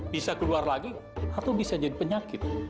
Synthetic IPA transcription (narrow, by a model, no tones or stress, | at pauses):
b̥isakəluarlaɡiat̪awbisad͡ʒadipəɲakɪt̪̚